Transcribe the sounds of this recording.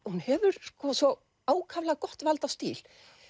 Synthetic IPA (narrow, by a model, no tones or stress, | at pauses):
hunhɛvʏɾ̥skɔːsvɔ | aːwkʰavlaɣkɔht̪valt̪ast̪iːl̥